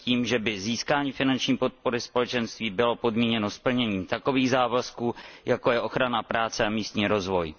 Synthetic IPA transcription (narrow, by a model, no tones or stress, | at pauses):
ciːmʒɛbɪziːskaːɲiːfɪnant͡ʃɲiːpo̞t̪̚po̞ɾɪspo̞lɛt͡ʃɛnst̪viːbɪlo̞po̞dmɲiːɲɛno̞spl̩ɲɛɲiːt̪ako̞viːɣzaːvaskuːjako̞jɛʔo̞xɾanapɾaːt͡sɛamiːst̪ɲiːɾo̞zvo̞j